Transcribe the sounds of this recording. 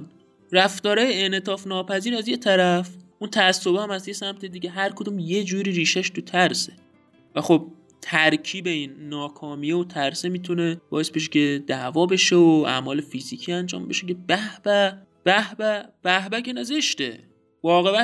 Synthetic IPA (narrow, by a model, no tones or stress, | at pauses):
ræft̪ɒːɾɒːjeenet̪ʰɒːfnɒːpʰæziːɾæzje̞t̪ʰæɾæfʔunt̪ʰæsːobehæmæzjesæmt̪ʰed̪iːɟeɦæɾkʰod̪umje̞d͡ʒuːɾiːɾiːʃæʃt̪ut̪ʰæɾse | væxo̞b̚ | t̪ʰæɾcʰiːbe̞iːnːɒːkʰɒːmiːeot̪ʰæɾsemiːt̪ʰune̞b̥ɒ̰ːje̞sbe̞ʃ̬ecʰe̞d̪ævɒːbe̞ʃeoæ̰mɒːle̞fiziːcʰiænd͡ʒɒ̰ːmbe̞̰ʃe̞ce̞bæhb̥æ | b̥æhbæb̥æhbæcenezeʃt̪ḛ | vɒːɣebæ